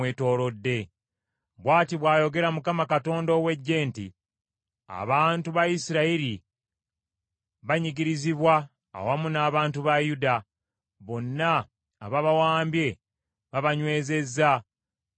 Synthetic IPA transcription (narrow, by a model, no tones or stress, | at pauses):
weːto̞ːɾo̞dːe̞ | βwaːtiβwaːjo̞ɡe̞ɾamukamakato̞ːndo̞ːwe̞ɟːe̞ːnti | a̰βaːntuβajisiɾaiɾi | βaɲiɡiɾiziβwa | a̰wamunaːβaːntuβajuda | βo̞nːaː | βaβawaːmbje̞ | βaβaɲwe̞ːze̞zːa